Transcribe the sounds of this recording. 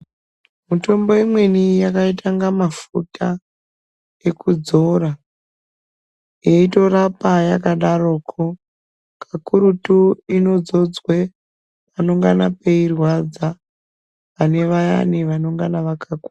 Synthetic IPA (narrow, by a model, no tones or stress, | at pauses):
muto̞mbo̞imwe̞nijakaitʰaŋɡamafutʰa | e̞kud͡zo̞ɾa | jeito̞rapajakaɗaro̞kʰo | kakuɾutuino̞d͡zo̞d͡zwe | pano̞ŋɡanapeirwad͡za | ʋane̞ʋaja̰niʋano̞ŋɡanaʋakʰakua